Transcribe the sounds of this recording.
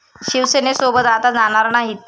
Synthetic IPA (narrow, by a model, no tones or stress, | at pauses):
ɕiʋsenesobət̪at̪ad͡zañaɾnaɦit̪